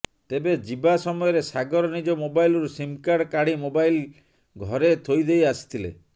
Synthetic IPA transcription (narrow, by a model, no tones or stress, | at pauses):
t̪ebed͡ʒibasɔmɔjɔɾesaɡɔɾɔnid͡ʒɔmobajlɔɾusimkaɽkaɽimobajl | ɡʱɔɾet̪ʰojd̪ejasi̥t̪ʰilḛ